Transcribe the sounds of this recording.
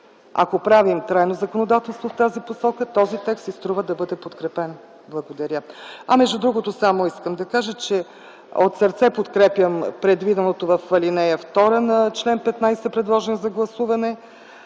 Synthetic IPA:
a̰kopɾavimt̪ɾajnozɐkonod̪at̪ɛlˠst̪voft̪aziposɔkət̪ɔzit̪ɛksist̪ɾuvəd̪ɐbɤd̪ɛpot̪kɾɛpɛn | blˠɐɡod̪ɐɾʲəɐ̰mɛʒd̪ud̪ɾuɡot̪osamoiskəmd̪ɐkaʒət͡ʃɛ | ot̪səɾt̪sɛpot̪kɾɛpjəmpɾɛd̪vid̪ɛnot̪ovɐfvɐlinɛjəft̪ɔɾənɐt͡ʃlɛnpɛt̪najsɛpɾɛd̪lˠɔʒɛnzɐɡlˠɐsuvɐnɛ

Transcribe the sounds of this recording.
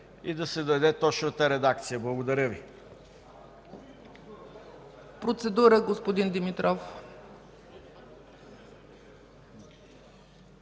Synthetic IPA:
id̪ɐsɛd̪ɐd̪ɛt̪ɔt͡ʃnət̪əɾɛd̪ak̚t̪sijəblˠɐɡod̪ɐɾʲəvi | pɾot̪sɛd̪uɾəɡospod̪ind̪imit̪ɾɔf

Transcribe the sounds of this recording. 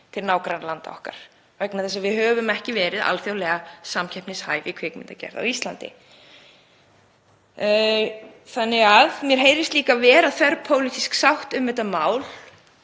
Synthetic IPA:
t̪ʰɪlnaːwkɾanlant̪aɔ̰hka̰ɾ̥ | vɛknaθɛs̬ːavɪðhœːvʏmɛhcɪvɛːɾɪða̰lθjowlɛɣasamcʰɛhpnɪshaːjvɪkʰv̥ɪkmɪ̰nt̪acɛ̰ɾða̰wist̪lant̪ɪ̰ | θanːɪɣaðmjɛɾ̥ɦeːjɾɪst̪liːkavɛːɾaðθɛɾpʰoːwlit̪isksawht̪ʏmːɛt̪amaːwl̥

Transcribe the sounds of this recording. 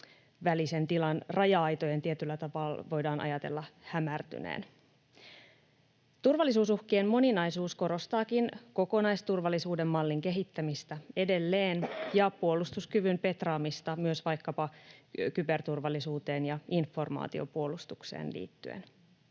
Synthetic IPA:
ʋælise̞nt̪ilɑnrɑjɑɑjt̪o̞je̞nt̪iet̪ylːæt̪ɑpɑːlʋo̞jdɑːnʔɑ̰jɑt̪e̞lːɑhæmært̪y̰nḛːn | t̪urʋɑlːisuːsuhkeːmmo̞ninɑjsuːsko̞ɾo̞st̪ɑːkinko̞ko̞nɑjst̪urʋɑlːisuːde̞mːɑlːiŋke̞ɦit̪ːæmist̪æe̞de̞lːe̞ːnjɑpuo̞lːˑust̪uskyʋympe̞t̪rɑːmist̪ɑmyøsʋɑjkːɑpɑkybe̞rt̪urʋɑlːisuːt̪e̞ːnjɑinfːo̞rmɑ̰ːt̪io̞̰puo̞lust̪uksḛːnlḭːt̪ːy̰ḛn

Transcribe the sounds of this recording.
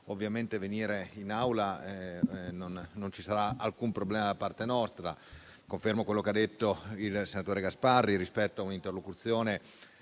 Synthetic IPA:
ovːjament̪eveniːɾeinawlaɛnonːont͡ʃisaɾaalkumpɾoblɛːmad̪apart̪enɔst̪ɾa̰ | koɱfermokwelːokead̪ːet̪ːoilsenat̪oːɾeɡasparːiɾispɛt̪ːoaunint̪erlokut̪sːjoːne

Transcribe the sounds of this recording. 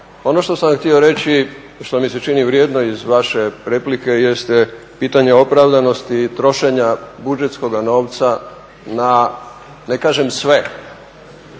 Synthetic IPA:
o̞no̞ʃt̪o̞samxt̪io̞ɾe̞t͡ɕi | ʃt̪o̞miset͡ʃiniʋɾjeːd̪no̞izʋaʃe̞pɾe̞plike̞je̞st̪e | piːt̪aɲe̞o̞pɾaʋd̪ano̞st̪it̪ɾo̞ʃe̞ɲabud͡ʒet̪sko̞ɡano̞ːʋt̪sa | na | nekaːʒe̞msʋe̞

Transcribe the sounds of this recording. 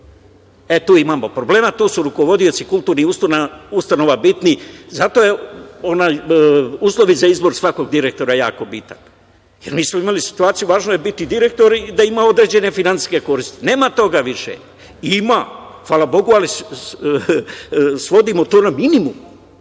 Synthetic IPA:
et̪uːimaːmopɾoble̞ːmat̪uːsuɾuko̞ʋo̞d̪io̞t̪sikulˠt̪uːɾniust̪naust̪ano̞ʋabit̪nizat̪o̞je̞o̞najuːslˠo̞ʋizaizbo̞ɾsʋako̞ɡd̪iɾe̞k̚t̪o̞ɾajaːko̞bit̪an | jeɾmiːsmoimalisi̥t̪uaːt̪sijuʋaːʒnojebit̪id̪iɾe̞k̚t̪o̞ɾiːd̪aimao̞d̪ɾe̞d͡ʑe̞ne̞finant̪i̥ske̞ko̞ɾist̪ine̞ːmat̪o̞ɡaʋiʃḛ | imaxʋaːlˠabo̞ɡuali | sʋo̞d̪imo̞t̪oːnaminimum

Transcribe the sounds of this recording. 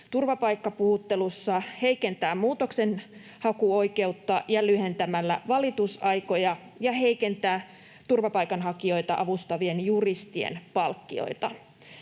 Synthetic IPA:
t̪urʋɑpɑjkːɑpuhut̪ːe̞lusːɑhe̞jke̞nt̪æːmmuːt̪o̞ksen | hɑkuo̞jke̞ut̪ːɑjɑlyhe̞nt̪æmælːæ̰ʋɑlit̪usɑjko̞jɑ | jɑɦe̞jke̞nt̪æː | t̪urʋɑpɑjkɑnɦɑkio̞jt̪ɑʔɑʋust̪ɑʋienjurist̪iḛnpɑlkːio̞̰it̪ɑ

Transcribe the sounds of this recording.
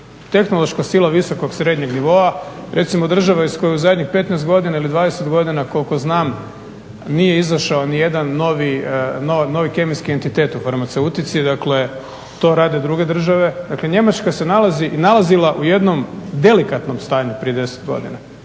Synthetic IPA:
t̪e̞xno̞lˠo̞ʃkasilˠaʋiso̞koɡsɾed̪ɲe̞ɡniʋo̞aɾʔe̞t̪simo̞d̪r̩ʒaʋaisko̞juuzad̪ɲixpe̞t̪nɛst̪̚ɡo̞d̪inailid̪ʋaːd̪eset̪ɡo̞d̪inako̞lko̞znaːm | nije̞izaʃaonije̞d̪anːo̞ʋinono̞ʋike̞miskie̞nt̪it̪e̞ːt̪ufaɾmat̪seut̪it̪sid̪akle̞ | t̪o̞ːɾaːd̪e̞d̪ɾuɡe̞d̪r̩ʒaʋe̞d̪akle̞ɲe̞mat͡ʃkase̞nalˠaziʔinalˠazilˠaʔuje̞d̪no̞md̪e̞likat̪no̞mst̪aːɲupɾije̞d̪e̞se̥t̪̚ɡo̞̰d̪ḭna

